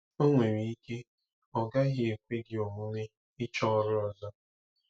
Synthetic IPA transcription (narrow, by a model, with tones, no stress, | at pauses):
o˦ŋʷe˨ɾi˨i˦ke˦ | ɔ˨ɡa˦ɦi˦e˨kʷe˦ɡɪ˨o˨mu˦ne˦ | ɪ˦t͡ʃɔ˦˨ɾɪ˦ɔ˨zɔ˦